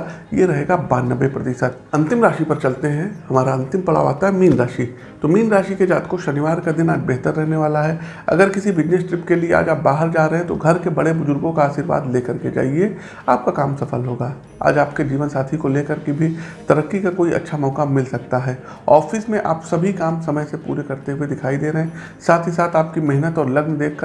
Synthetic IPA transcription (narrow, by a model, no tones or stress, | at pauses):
jeɾɐɦeːɡabaːɾnːəʋːepɾɐt̪ɪʃət̪̚ | ɐ̃nt̪ɪmɾaːʃipɐɾt͡ʃɐlt̪eɦɛ̃hɐmaːɾaɐ̃nt̪ɪmpɐɽa̰ːʋa̰ːt̪aɦɛmiːnɾaːʃi | t̪omiːnɾaːʃiked͡ʒaːt̪koʃɐnɪʋaːɾkad̪ɪnaːd͡ʒbɛɦt̪əɾːɛɦneʋaːlaɦɛ | ɐ̰ɡəɾkɪsibɪd͡ʒnesʈɾɪpkeliea̰ːd͡ʒaːp̚baːɦəɾd͡ʒaːɾɐɦẽt̪o̰ɡʱɐɾkebɐɽebʊzʊɾɡõkaaːʃiːɾʋa̰ːd̪leːkɐɾked͡ʒa̰ːie | aːp̚kakaːmsɐfəlɦoːɡaː | a̰ːd͡ʒaːpked͡ʒiːʋənsaːt̪ʰikoleːkəɾkibʱit̪ɐɾəkːikakoːiʔɐ̰tːʃʰamɔːkamɪlsɐk̚t̪aɦɛː | ɔːfɪsmẽʔa̰ːpsɐbʱikaːmsɐməjsepṵːɾekɐɾt̪eɦued̪ɪkʰaːid̪eːɾɐɦɛ̃ː | saːt̪ʰisaːt̪ʰaːp̚kimɛɦnət̪ɔːɾlɐɡnd̪eːkʰkə